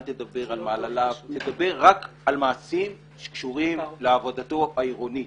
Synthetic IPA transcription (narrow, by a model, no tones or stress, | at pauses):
t̪ed̪abe̞ʁalmalalavt̪ed̪abe̞ʁːak | almaːsim | ʃe̥kʃuʁimleavod̪at̪o̞aiʁo̞ni